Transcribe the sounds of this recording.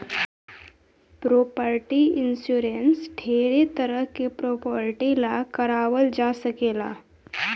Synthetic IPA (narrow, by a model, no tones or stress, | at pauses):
pɾopəɾʈiinsuɾensʈʰeɾet̪əɾəɦkːepɾopəɾʈilakəɾaʋəld͡zasəkela̰